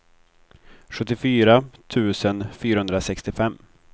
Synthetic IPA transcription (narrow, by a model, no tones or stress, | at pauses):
ɧɵt̪ːɪfyːɾat̪ʰʉ̟ːsənfyːɾahɵnd̪ɾasɛkst̪ɪfɛmː